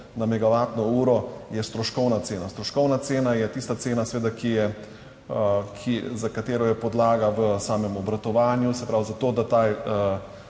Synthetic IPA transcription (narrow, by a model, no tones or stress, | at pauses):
namɛɡaʋaːt̪nɔuːɾɔjɛst̪ɾɔʃkɔwnat̪seːnast̪ɾɔʃkɔwnat̪seːnajɛt̪ist̪at̪seːnasɛʋeːd̪akijɛ | kʰizakat̪eːɾɔjɛpɔd̪laːɡaʋəsaːmɛmɔbɾat̪ɔʋaːnjusɛpɾawzat̪oːd̪at̪aj